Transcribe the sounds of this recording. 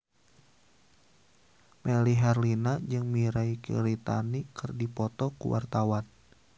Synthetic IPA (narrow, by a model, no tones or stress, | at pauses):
mɛliɦɛrlinad͡ʒɨŋmiɾaikḭɾit̪a̰nikɨrdipɔt̪ɔkṵwʔa̰rt̪awan